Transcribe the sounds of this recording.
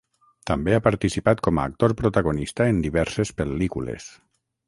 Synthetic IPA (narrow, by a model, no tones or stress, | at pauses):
t̪ambeapaɾt̪isipat̪kɔma̰ːk̚t̪oɾpɾot̪aɣ̞onist̪aend̪iβ̞ɛɾsespelikulḛs